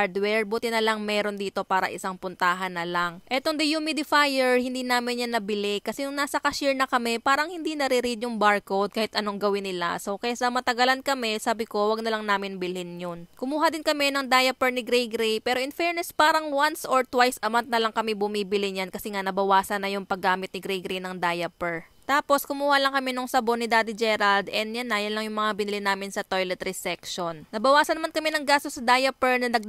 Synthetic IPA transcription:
aɹd̪wɛɹbuːt̪ɪnɐlɐŋmɛːɾo̞nd̪iːt̪o̞paːɾɐ̰ʔɪsaŋpʊnt̪aːɦɐnːɐlaŋʔɛt̪o̞ŋd̪ɛjumɪd̪ɪfajɛɹhɪnd̪iːnaːmɪnjanːɐbɪlɪkɐsɛnʊŋnaːsɐkɐʃiɹnɐkɐmɛpaːɾɐŋhɪnd̪inɐɾiɾid̪jʊŋbaɹkod̪̚kaːhɪt̪ʔɐnoŋɡɐwɪnːɪla̰sokɛjsɐmɐt̪ɐɡɐlankɐmɛsaːbɪko̞wɐɡ̚nɐlɐŋnaːmɪnbɪlhɪnjonkʊmuːɦɐd̪ɪnkɐmɛnɐŋd̪ajɐpɛɹnɪɡɾɛjɡɾejpɛːɾoʔɪnfɛɹnɛspaːɾɐŋwansʔoɹt̪wajsʔɐmawnt̪̚nɐlɐŋkɐmɛbʊmiːbɪlɪnjankɐsɛŋanɐbɐwaːsɐnɐjʊŋpɐɡːaːmɪt̪nɪɡɾɛjɡɾejnɐŋd̪aːjɐpɛɹ | t̪aːpo̞skʊmuːhɐlɐŋkɐmɛnoŋsɐbonɪd̪aːd̪ɪd͡ʒɛɾald̪ɛnjanːɐjanlɐŋjʊŋmɐŋabɪnɪlɪnaːmɪnsɐt̪ojlɛt̪ɾisɛkʃonnɐbɐwaːsɐnɐmankɐmɛnɐŋɡaːst̪osːɐd̪aːjɐpɛɹnɐnɐɡ

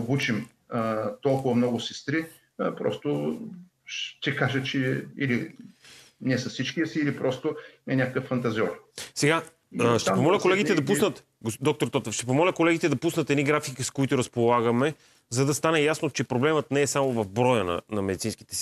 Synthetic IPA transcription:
obut͡ʃim | t̪ɔlˠkʊvɐmnɔɡʊsɛst̪ɾi | pɾɔ̰st̪o | ʃt̪ɛkaʒət͡ʃɛḭli | nɛsɐsit͡ʃkiəsiːlipɾɔst̪ʊɛnʲakəkəfːɐnt̪ɐziɔɾsɛɡa | ʃt̪ɛpomɔlʲɐkolɛɡit̪ɛd̪ɐpunət̪ | ɡd̪ɔk̚t̪oɾt̪ɔt̪əfʃt̪ɛp̬omɔlʲɐkolɛɡit̪ɛd̪ɐpusnət̪ɛd̪iɡɾafikiskoit̪ʊɾɐspolˠaɡəmɛ | zɐd̪ɐst̪anɛjasnot͡ʃɛpɾoblɛmət̪nɛːsamovɐvbɾɔjənɐ̰nɐmɛd̪it̪sinski̥t̪ɛ̥si

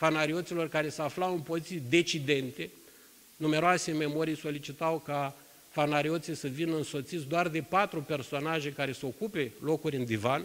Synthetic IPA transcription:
fanaɾio̞t̪silo̞rkaɾe̞səaflawɨnpozit̪sijd̪e̞t͡ʃid̪e̞nt̪e̞ | nume̞ɾoase̞me̞mo̞ɾijso̞lit͡ʃit̪awka | fanaɾio̞t̪sisəvinəɨnso̞t̪sit̪sd̪oard̪e̞pat̪ɾupe̞rsonaʒe̞kaɾe̞səo̞kupe̞lo̞kurʲɨnd̪ivan

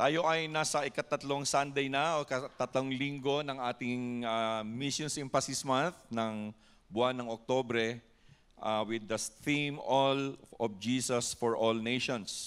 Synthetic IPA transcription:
t̪aːjo̞ʔɐjnaːsɐʔɪkɐt̪ɐt̪loŋsand̪ɛjnɐokɐt̪ɐt̪loŋliŋɡo̞nɐŋʔaːt̪ɪŋamisjonsɪmfɐsismanθnɐŋ | bʊanːɐŋok̚t̪obɾɛ | ʔawɪd̪ɐθimolɔfd͡ʒiːsɐsfɔɹʔolnejʃɔ̃ns

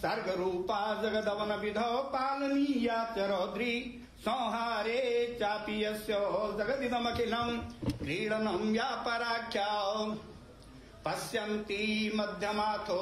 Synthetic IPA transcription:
sɐɾɡɐɾuːpaːd͡ʒɐɡɐd̪ɐʋɐnɐbid̪ʱɐpaːlɐniːjaːt̪jɐɾoːd̪ɾi | sɔ̃ːɦaːɾeːt͡ʃaːpijɐsjɔːd͡ʒɐɡɐd̪id̪ɐmɐkilɐmkɾiːɽɐnɐmjaːpɐɾaːkʰjaː | pɐsjɐnt̪imɐd̪ʱjɐmaːt̪ʰo

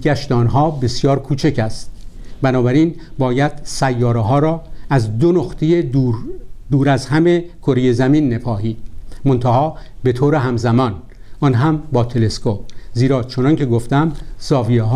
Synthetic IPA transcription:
ɟæʃt̪ɒːnɦɒːbe̞sjɒːɾkʰuːt͡ʃʰecʰæst̪̚bænɒːbæɾiːn | bɒːjæd̪̥sæjːɒːɾeɦɒːɾɒːæzd̪onoxt̪ʰejeud̪uːɾæzhæmekʰoɾejezæmiːnːepʰɒːhiːd̪̥mo̞nt̪ʰæhɒːbe̞t̪ʰoːɾeɦæmzæmɒːn | ʔɒnɦæmbɒːt̪ʰe̞le̞skop̚ziːɾɒːt͡ʃʰonɒncʰe̞ɡoft̪æmsɒːvijeɦː

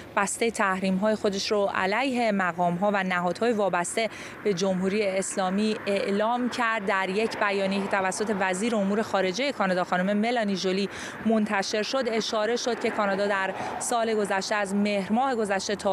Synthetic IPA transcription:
b̥æst̪e̞jet̪ʰæhɾiːmɦɒːje̞xo̞d̪e̞ʃɾoʔæ̰læjɦe̞mæɣɒːmɦɒːvænæɦɒːd̪̥hɒːjevɒːbæst̪e̞ | b̥e̞d͡ʒo̞mɦuːɾijeːslɒːmiːe̞ʔlɒːmcʰæɾd̪̚ːæɾje̞cʰbæjɒːnijecʰe̞t̪ʰævæsːo̞t̪ʰe̞væziːɾeomuːɾe̞xɒːɾe̞d͡ʒe̞je̞kʰɒːnɒːd̪ɒːxɒːnume̞me̞lɒniʒoli | mont̪ʰæʃe̞ɾʃo̞d̪e̞ʃɒːɾe̞ʃo̞d̪̚cʰe̞kʰɒːnɒd̪ɒːd̪æɾsɒːle̞ɡo̞zæʃt̪eæzmehɾmɒːheɡo̞zæʃt̪e̞t̪ʰɒː

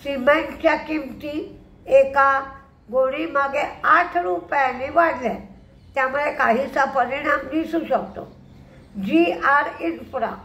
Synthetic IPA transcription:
simeɳʈt͡ɕjakimt̪i | eka | ɡoɽ̃iːmaɡeaʈʰɾupjaneʋaɽlɛ | t̪jamuɽekaɦiːsapəɾinamd̪isuːɕəkt̪o̰ | d͡ʑiaɾinfɾa̰

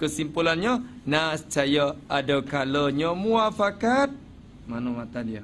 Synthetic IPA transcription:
kəsimpulanɲənasət͡ʃajaʔadəkaləɲəmuafakat̪̚ | manumãt̪adiə

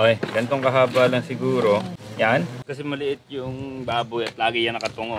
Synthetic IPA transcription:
ʔojɡ̥ɐnɪt̪oŋkɐɦaːbaːlɐŋsɪɡuːɾo̞jankɐsɛmɐlɪʔɪt̪̚jʊŋbaːbʊjɐt̪laːɡɪjɐnɐkɐt̪ʊŋo

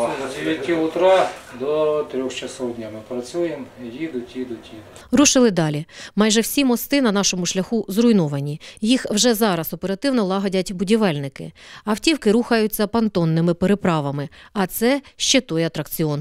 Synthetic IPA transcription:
ʋʲikʲːiʊt̪ɾɑd̪ɔt̪ɾʲɔxt͡ʃɐsɔwdʲnʲamɪpɾɐt͡sʲujemjid̪ʊtʲjid̪ʊtʲjid̪ʊtʲɾuʃɪlˠɪd̪ɑlʲimɑjʒɛwsʲimɔst̪ɪnɐnɑʃɔmʊʃlʲɐxuzɾʊjnɔʋɐnʲijixwʒɛzɑɾɐsɔpeɾɐt̪ɪwnɔlˠɑɦɐdʲɐtʲbʊdʲiʋɛlʲnɪkɪ̰ɐwtʲiwkɪɾuxɐjʊt͡sʲːɐpɐnt̪ɔnːɪmɪpeɾepɾɑʋɐmɪɐt̪sɛʃt͡ʃet̪ɔjɐt̪ɾɐkt͡sʲiɔn

